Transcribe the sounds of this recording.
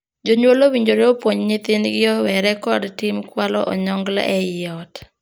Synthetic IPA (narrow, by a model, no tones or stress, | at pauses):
d͡ʒoɲwolowiɲd͡ʒoɾeopwoɲɲɪt̪ɪnɡɪɔwɛɾɛkɔdtɪmkwalɔ̰ʔɔɲɔŋɡla̰ʔɛjɪɔt